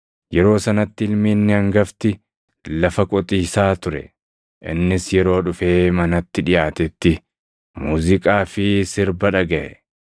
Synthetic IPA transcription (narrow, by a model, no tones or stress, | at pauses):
jɛɾo̞ːsɐnɐt̪ːɪɪlmiːnːɪɐŋɡɐft̪ɪ | lɐfɐkʼɔt̪ʼiːsaːt̪ʊɾɛ̰ | ʔɪ̰nːɪsjɛɾo̞ːᶑʊfe̞ːmɐnɐt̪ːɪᶑɪjaːt̪ɛt̪ːɪ | muːzɪkʼaːfɪsɪɾbɐᶑɐɡɐʔɛ